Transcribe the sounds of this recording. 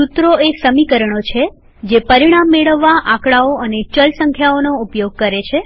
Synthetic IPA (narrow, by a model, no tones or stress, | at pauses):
sut̪ɾoesəmikəɾəɳ̃ot͡ʃʰe | d͡ʒepəɾiɽ̃amːeɭəʋːaʔãkɭaoʔənet͡ʃəlsəŋkʰjaonoupjoɡ̚kəɾet͡ʃʰe